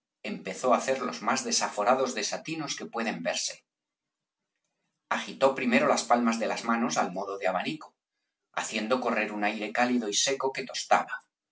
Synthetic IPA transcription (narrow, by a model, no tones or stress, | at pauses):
e̞mpe̞θo̞aθe̞ɾlo̞zmazðe̞safo̞ɾað̞o̞zðe̞sat̪ino̞ske̞pwe̞ð̞e̞mbe̞ɾse̞̥ | axit̪o̞pɾime̞ɾo̞laspalmazðe̞lazmano̞salmo̞ðo̞ðeaβ̞aniko̥ | a̰θje̞nd̪o̞ko̞re̞ɾunajɾe̞kaliðo̞ise̞ko̞ke̞t̪o̞st̪a̰βa